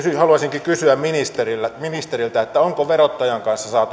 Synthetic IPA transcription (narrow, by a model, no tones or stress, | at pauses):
syhɑluɑsiŋkikysyæmminist̪erilːæminist̪erilt̪æet̪ːæoŋkoʋerot̪ːɑjɑŋkɑnsːɑsɑːt̪u